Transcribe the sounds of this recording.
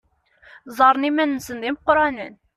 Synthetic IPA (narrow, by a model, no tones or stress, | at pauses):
zɑɾnimænsənd̪imqoɾɑnmɛn